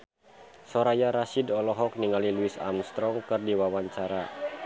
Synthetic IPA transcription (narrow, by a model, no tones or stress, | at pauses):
sɔɾajaɾasidɔlɔɦɔk̚niŋaliluisa̰mst̪ɾɔŋkɨrdiwawaɲt͡ʃaɾa